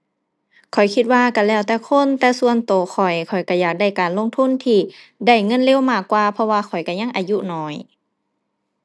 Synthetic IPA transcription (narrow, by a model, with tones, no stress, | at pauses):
kʰɔ˨˩jkʰi˧t̪̚waː˧˨ka˧˩lɛː˧˩wt̪ɛː˧˩kʰo˧˥˨nt̪ɛː˧su˧ənt̪oː˨˩xʰɔ˨˩jkʰɔ˨˩jka˧˩jaː˧˩k̚da˧˩jkaː˨nlo˧˨ŋt̪ʰu˧˥˨nt̪ʰiː˧˩ | da˧˩˨jŋɤ˧˥˨nle˧˥˨wmaː˧˩kːwaː˧pʰɔ˧waː˧kʰɔ˨˩jka˧˩ɲa˧˥ŋʔaː˨ju˧˨nɔː˧˦j